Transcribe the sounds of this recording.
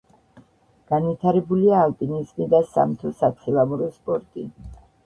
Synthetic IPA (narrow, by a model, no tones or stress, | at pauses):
ɡ̥anvit̪ʰaɾɛbuliaːlpʼinizmid̪asa̰mt̪ʰɔsat̪sʰilˠamuɾɔspʼɔɾt̪ʼi